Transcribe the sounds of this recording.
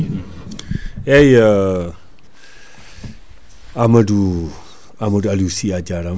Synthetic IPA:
ɛjə | amədu | amədualusiad͡ʒaɾa

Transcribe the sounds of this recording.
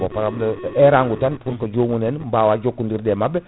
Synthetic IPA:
bɔpaɾabləɛɾaŋɡutanpuɾkəd͡ʒoŋunɛnmbawad͡ʒokːundiɾdɛmabɛ

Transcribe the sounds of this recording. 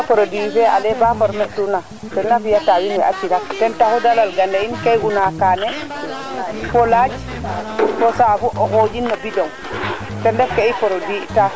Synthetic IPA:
apɔɾodifɛa̰lɛbafɔɾmɛʔtuna | tɛnːafijatawinɛʔa̰t͡ʃilakdɛntahudalalɡandainkajɡunakaːnɛ | fɔlad͡ʒ | kɔsafuʔɔhod͡ʒinːɔbidɔŋ | tɛndɛfkeipɔɾodita

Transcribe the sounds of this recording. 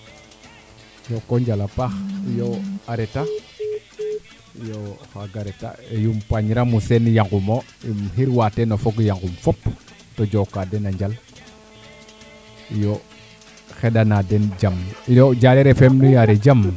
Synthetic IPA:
jokoɲd͡ʒalapaxjoaɾeta | joxaɡaɾeta̰ejumpaɲɾamusenjaŋɡumo | mhiɾwatenofoɡjaŋɡumfop | tod͡ʒokadenaɲd͡ʒal | jo | xedanadend͡ʒamjod͡ʒaɾeɾefemnujaɾed͡ʒam

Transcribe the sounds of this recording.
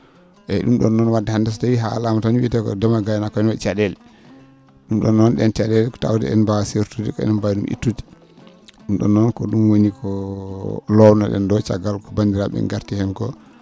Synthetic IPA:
ʔɛɗumɗɔnːɔnwadɛhandɛstajiɦa̰lamataɲɓitɛkɔ̰dɛmaɡajnakɔɛnwɛt͡ʃaɗɛl | ɗumɗɔ̰nːɔnɗɛnt͡ʃaɗɛlkta̰wdɛ̰ɛ̰nbaseɾtudikɔɛ̰nɛnbajɗumʔḭtːudi̥ | ɗumɗɔ̰nːɔnkɔɗumwonikʰɔ | lɔwnaɗɛ̰ndɔt͡ʃa̰ɡalkɔbandiɾaɓɛ̰nɡaɾtihɛmkɔ

